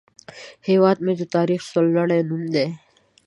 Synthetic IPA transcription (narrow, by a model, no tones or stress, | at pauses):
heːwaːd̪̚mẽd͡ʒot̪aːɾiːxsolːəɽẽːnumd̪e